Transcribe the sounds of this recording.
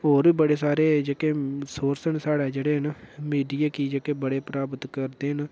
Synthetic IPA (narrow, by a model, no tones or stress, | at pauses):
ɦoːɾbiːbəɽeːsaːɾeːd͡ʒekeːsoːɾsənsaːɽaːd͡ʒeːɽeːɦənmiːɖijaːkiːd͡ʒeːkeːbəɽeːpɾaːbət̪kəɾd̪eːɦən